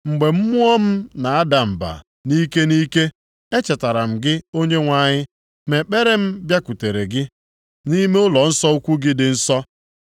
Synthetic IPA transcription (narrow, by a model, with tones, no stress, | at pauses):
ŋ͡m̩˨ɡ͡be˨m̩˦mu˦ɔ˦m̩˦na˨a˦da˨m̩˨ba̰˨ | ni˦ke˦ni˦ke˦ | e˦t͡ʃe˨ta˨ɾa˨m̩˨ɡɪ˦o˦ɲe˦ŋʷa˨ɲɪ˦ | me˨k͡pe˦ɾe˦m̩˦bja˦ku˨te˨ɾe˨ɡɪ˦ | ni˦me˦ʊ˦lɔ˨n̩˦sɔ˦u˦kʷu˦ɡɪ˦dɪ˨n̩˦sɔ˦